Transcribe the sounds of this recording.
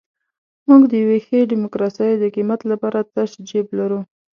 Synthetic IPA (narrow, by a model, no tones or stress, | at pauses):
muɡd̪əjawexeɖimokɾɑsɑjd̪əqimat̪lapɑɾat̪aʃd͡ʒeblaɾu